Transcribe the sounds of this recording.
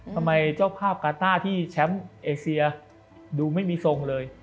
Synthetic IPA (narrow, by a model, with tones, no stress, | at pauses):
t̪ʰa˧mːa˧jt͡ɕaː˥˩wpʰaː˥˩p̚kaː˧t̪aː˥˩t̪ʰiː˥˩t͡ɕʰɛ˦˥mʔeː˧si˧ɐ | duː˧ma˥˩jmiː˧so˧ŋlɤː˧j